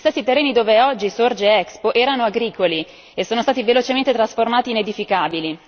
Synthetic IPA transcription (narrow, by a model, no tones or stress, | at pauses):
st̪ɛsːit̪erːeːnid̪oːveɔd͡ʒːisord͡ʒeɛkspoʔɛːɾanoaɡɾiːkoli | esːoːnost̪aːt̪ivelot͡ʃement̪et̪ɾasformaːt̪iːned̪ifikaːbili